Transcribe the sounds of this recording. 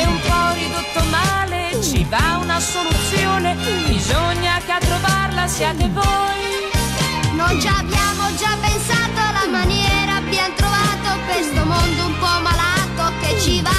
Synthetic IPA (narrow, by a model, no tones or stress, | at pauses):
umpɔrid̪ot̪ːomaːlet͡ʃivaunasolut̪sjoːnebizoɲːakeat̪ːɾovarlasjaːt̪evoj | nojd͡ʒaːbjaːmod͡ʒapːensaːt̪oalːamanjɛːɾabːjant̪ɾovaːt̪okwest̪omond̪oumpɔmːalaːt̪oket͡ʃːiva